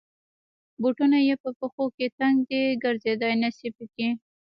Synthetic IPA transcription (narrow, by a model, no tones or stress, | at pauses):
buʈunajepəpəxoket̪aŋɡd̪eɡəɾzed̪ɑjnasipəki